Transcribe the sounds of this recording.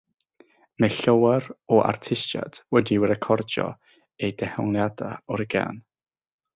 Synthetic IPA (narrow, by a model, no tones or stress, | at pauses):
mɛɬəwɛrɔʔa̰rtʰɪsa̰d̥wɛdiwɾɛkʰɔrd͡ʒɔ̰ | ejdɛhɔŋlˠjada̰ɔɾəɡa̰n